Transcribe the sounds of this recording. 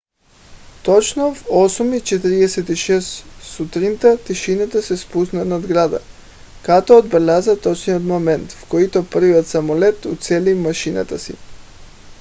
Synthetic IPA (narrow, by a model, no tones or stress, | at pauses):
t̪ɔt͡ʃnovɔsumit͡ʃɛt̪ɾiɛsɛt̪iʃɛsːut̪ɾint̪at̪iʃinat̪asɛspusnanad̪ɡɾad̪a̰ | kat̪ɔːd̪̚bɛlʲazat̪ɔt͡ʃnijot̪momɛnt̪fkoit̪ɔprviɔt̪samɔlɛt̪ut̪sɛlimaʃina̰t̪asḭ